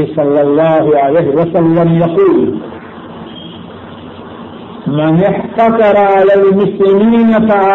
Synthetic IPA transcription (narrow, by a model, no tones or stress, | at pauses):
ɪsˤɑlːɑlˤːɑːhʊʕalaːhɪwasalːamjɑquːl | manɪħt̪ɑtɑɾˤɑʕalalmʊslɪmiːnafaʕa